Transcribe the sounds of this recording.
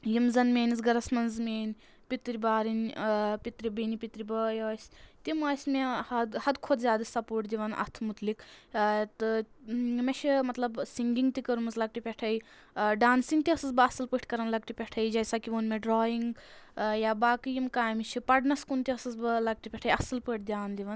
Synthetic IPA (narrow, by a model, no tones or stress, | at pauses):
jimzɐnmeːnizɡɐɾɐsmɐnzmʲeːnʲ | pit̪ɾibaːɾinʲpit̪ɾibinipit̪ɾibɐjɐsʲt̪imɐːsʲmeɐd̪hɐd̪kʰod̪zʲjaːd̪ɐsʲɐpuːʈd̪iʋɐnʔɐ̰t̪ʰmut̪likt̪ɨ | meʃʰimɐt̪lɐbsiŋɡiŋɡt̪ikɐɾumɐzlɐɡ̚ʈipʲeʈʰɐj | ɖaːnsiŋɡt̪iɐsɐsbɨɐsɨlpɨʈʰʲkɐɾɐnlɐɡ̚ʈipʲeʈʰɐjd͡ʒɐjsakiʋoːnmeɖɾoːjiŋɡjaːbaːkɨjimkaːjmit͡ʃʰipɐɖnɐskunt̪iɐsɐzbɨlɐɡ̚ʈipʲɛʈʰɐjɐsɨlpəʈ̚ʰd̪ʲjaːnd̪iʋɐn